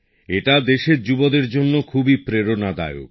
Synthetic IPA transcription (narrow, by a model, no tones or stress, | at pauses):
eʈad̪eʃeɾd͡ʑubod̪eɾd͡ʑonːokʰubipɾeɾonad̪a̰eo̰k